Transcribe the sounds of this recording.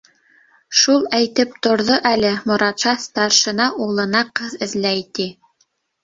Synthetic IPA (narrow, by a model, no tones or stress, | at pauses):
ʃulˠæjt̪ɘp̚t̪ŏɾðoʔælɘmŏɾɑt̪ʃɑst̪ɑrʃɤ̆nɑʔulˠɤ̆nɑqɤðɘ̆zðlæjt̪i